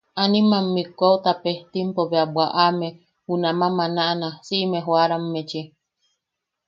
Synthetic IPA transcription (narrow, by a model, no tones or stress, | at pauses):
animamːikʷaut̪apet̪impoβeabʷaʔame | hunamãmanaʔnasiʔmeɦwaɾamːet͡ʃi